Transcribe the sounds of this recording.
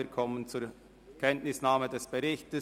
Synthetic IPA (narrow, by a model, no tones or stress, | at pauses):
əkʰɔmənt͡suːɾ | kʰɛntnɪsnaːmədɛsb̥əʁɪçtə